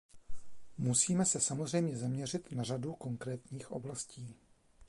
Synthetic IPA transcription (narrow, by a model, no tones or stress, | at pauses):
musiːmɛsɛsamo̞zrɛjmɲɛzamɲɛr̝ɪt̪naraduko̞ŋkɾɛːt̪ɲiːxʔo̞̰blasciː